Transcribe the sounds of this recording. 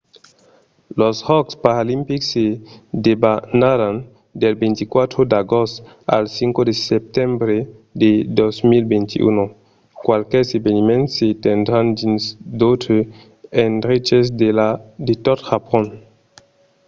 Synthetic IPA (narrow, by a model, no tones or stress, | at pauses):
loshɔkspaɾalimpiksedebanaɾan | delbent̪ikwat̪ɾodaɡost | a̰lsiŋkodesep̚tembɾededosmilbentḭʔṵnu | kwalkesebenimẽnsetendɾand͡ʒinsdotʰe | enɾid͡ʒes̬deladetɔthapɔn